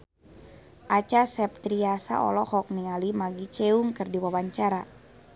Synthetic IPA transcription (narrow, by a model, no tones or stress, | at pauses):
ʔat͡ʃasɛp̚t̪ɾiasa̰ɔ̰lɔhɔk̚niŋalimaɡit͡ʃeuŋkɨrdiwawaɲt͡ʃaɾa